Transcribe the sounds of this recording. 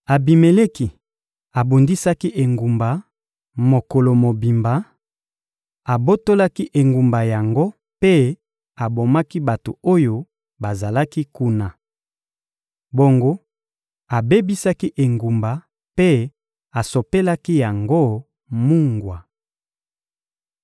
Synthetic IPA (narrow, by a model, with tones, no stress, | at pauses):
a˨bi˨me˨le˦ki˨ | a˨bu˨ndi˦sa˦ki˦ʔe˨ŋɡu˨mba˨ | mo˨ko˨lo˨mo˨bi˨mba˨ | a˨bo˦to˦la˦ki˦ʔe˨ŋɡu˨mba˨ja˨ŋɡo˦ | pe˦ | a˨bo˨ma˦ki˦ba˨to̰˨o˦jo˨ | ba˨za˨la˦ki˦ku˦na˨ | bo˨ŋɡo˦ | a˨be˦bi˦sa˦ki˦ʔe˨ŋɡu˨mba˨ | pe˦ | a˨so˨pe˦la˦ki˦ja˨ŋɡo˦ | mu˦ŋɡwa˨